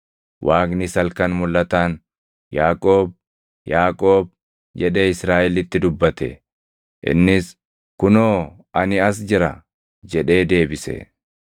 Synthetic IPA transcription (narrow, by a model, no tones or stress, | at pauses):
wʔaːknɪsɐlkɐnmʊlːɐt̪aːn | jaːkʼo̞ːb | jaːkʼo̞ːb̚ | d͡ʒɛᶑeːɪsɾaːʔɛlɪt̪ːɪd̪ʊbːɐt̪ɛ̰ | ʔɪ̰nːɪs | kʊnoː | ɐnɪɐs̬d͡ʒɪɾɐ | d͡ʒɛᶑe̞ːd̪e̞ːbɪsɛ̰